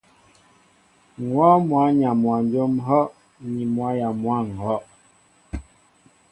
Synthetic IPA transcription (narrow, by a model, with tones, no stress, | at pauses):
ŋwɔ˦mwa˨˦ɲa˨mwa˨n˦d͡ʒo˦mɦɔ˦ʔ | ni˨mwa˨˦ja˨mwa˦˨ŋ̩˨hɔ˦ʔ